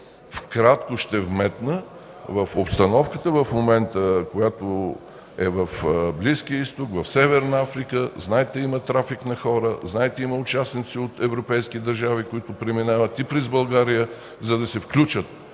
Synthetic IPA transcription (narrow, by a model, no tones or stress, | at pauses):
fkɾat̪kʊʃt̪ɛvmɛt̪nə | vəfopst̪ɐnɔfkət̪əvəfmomɛnt̪əkojat̪o | ɛvɐfbliskijəist̪okvɐfsɛvɛɾnɐafɾikəznaɛt̪ɛimɐt̪ɾafiknɐxɔɾəznaɛt̪ɛiməʊt͡ʃasnit̪siot̪ɛvɾopɛjskid̪ɐɾʒavikʊit̪ʊpɾɛminavət̪ipɾɛzbɐlˠɡaɾijə | zɐd̪ɐsɛfklʲut͡ʃət̪̚